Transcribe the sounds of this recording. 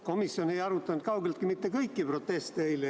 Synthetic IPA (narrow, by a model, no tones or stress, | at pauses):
ko̞misːio̞ne̞jɑɾut̪ːˑɑnud̪̥̚kɑwɡ̥elt̪kimit̪ːekɤjkˑːipro̞t̪ːˑe̞st̪ejle